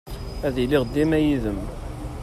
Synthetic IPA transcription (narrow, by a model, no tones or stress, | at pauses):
æðiliʁd̪ːimæjiðəm